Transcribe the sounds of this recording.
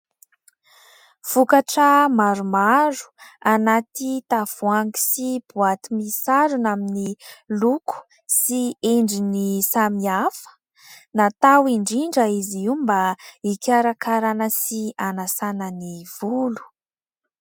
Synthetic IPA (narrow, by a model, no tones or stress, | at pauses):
v̥ukaʈ͡ʂəmaɾumaɾu̥anat̪it̪av̥uaŋɡi̥sib̥uat̪imisaɾunaminilukʰu̥ | sieɳɖ͡ʐinisamiafə̥ | nat̪awiɳɖ͡ʐiɳɖ͡ʐəiziwmbaikʲaɾakaɾanəsianasanəniv̥ulu̥